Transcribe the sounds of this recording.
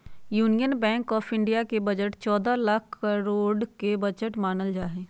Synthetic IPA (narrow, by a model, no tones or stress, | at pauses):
juːnijənbɛ̃ːŋkɔːfʰɪ̃ɳɖijakebɐd͡ʒəʈt͡ʃɔːd̪alakʰəɾoːɖkebɐd͡ʒəʈmaːnəld͡ʒaːɦeː